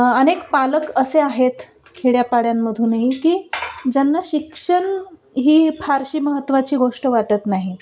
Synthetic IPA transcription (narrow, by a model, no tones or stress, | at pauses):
ənekpaləkəseaɦet̪ | kʰeɭjapaɽjamːəd̪ʱuːnaɦikiːd͡ʑanːaɕikʂəɳ | ɦiːpʰaɾɕiːməɦət̪ːʋat͡ɕiːɡoʂʈəʋaʈət̪naɦi